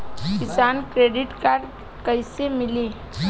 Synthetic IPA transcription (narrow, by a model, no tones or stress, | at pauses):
kɪsaːnkɾeːɖɪʈkaːɾɖ | kəɪsemɪliː